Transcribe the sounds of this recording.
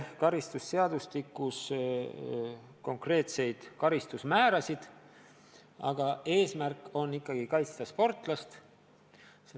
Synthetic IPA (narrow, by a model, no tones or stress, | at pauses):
kɑɾist̪usːe̞ɑd̪̥ust̪ikːˑus | ko̞ŋkre̞ːt̪se̞jd̪̥kɑɾist̪usmæːɾɑsid̪̥ | ɑ̰ɡ̥ɑe̞ːsmærkˑo̞nːikˑːɑɡ̥ikɑjt̪st̪ɑspo̞rt̪ˑlɑst̪ | se